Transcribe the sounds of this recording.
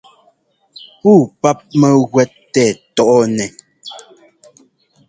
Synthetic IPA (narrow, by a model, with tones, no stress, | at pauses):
puː˦˨pa˦p̚mɛ˦ɣwɛ˦tːɛ˦˨tɔ˨ʔɔ˦nɛ˨